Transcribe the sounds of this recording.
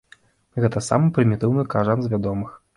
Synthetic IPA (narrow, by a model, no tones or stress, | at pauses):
ɣɛt̪ɐsa̰mɨpɾʲimʲit̪ɨwnɨkaʐanzvʲad̪ɔmɨx